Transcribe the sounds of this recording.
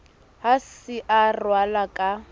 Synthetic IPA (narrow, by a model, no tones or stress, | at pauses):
hasɪʔarwalakʼa